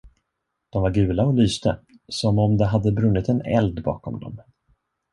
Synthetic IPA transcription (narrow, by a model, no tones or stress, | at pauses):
d̪̥ɔmvaɾɡʉ̟ːlaɔlyːst̪ə | sɔmɔmd̪ɛɦad̪ːəbɾɵnːɪt̪ɛnɛ̰ld̪bɑ̰ːkʰɔ̰md̪ɔ̰m